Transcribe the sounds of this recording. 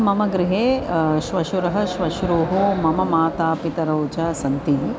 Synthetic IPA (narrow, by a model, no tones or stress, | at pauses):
mɐmɐɡɾɪɦeːʃʋɐʃuɾɐɦɐ̆ʃʋɐʃuɾoːɦomɐmɐmaːt̪aːpit̪ɐɾoːd͡ʒɐsɐnt̪in